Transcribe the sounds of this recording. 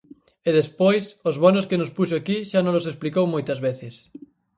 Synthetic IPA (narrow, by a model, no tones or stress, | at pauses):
eðespojsozβonoskenospuʃoakiʃanõlosesplikowmojt̪ɐzβeθes